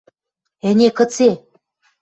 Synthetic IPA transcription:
enʲekɤ̆t͡se

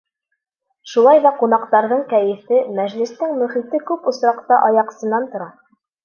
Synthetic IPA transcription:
ʃulˠɑjðɑqun̪ɑqt̪ɑɾðɤɴkæjɘ̆fɘmæʑlɘ̆st̪ɘŋmɵ̆χit̪ɘkʉpŏsɾɑqt̪ɑʔɑjɑqsɤ̆nːɑnt̪ŏɾɑ

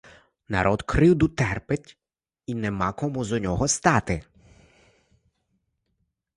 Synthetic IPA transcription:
nɐ̰ɾʔɔd̪kɾɪwd̪ʊt̪ɛrpɪt̪ʲ | inɛmɑkɔmuzɔnʲɔɦɔst̪ɑt̪ɪ

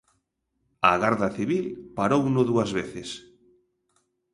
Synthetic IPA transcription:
aɣaɾðaθiβilpaɾownoðuazβeθes

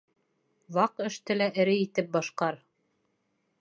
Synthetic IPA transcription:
wɑqɘ̆ʃt̪ɘlæʔɘ̆ɾɘit̪ɘp̚bɑʃqɑɾ

